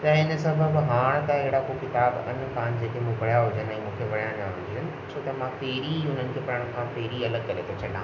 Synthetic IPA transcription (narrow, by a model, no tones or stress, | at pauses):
t̪ɐɪnə̆sɐbʱəbɦaːɽ̃t̪ɐɪɦɪɽakokɪt̪aːbɐ̰nkʰãːnd͡ʑeːkemũːpɐɽ̤jaɦʊd͡ʑənɛ̃ːmũːkʰeʋɐɽijãnjãɦʊ̃ɲd͡ʑiənɪ̆ | sʰoːt̪ɐmãpeːɾiʊnənɪ̆kʰeːpɐɾəɽ̃kʰãːpeːɾiɐləɡ̚kɐɾet̪ʰot͡ɕʰɐɗãː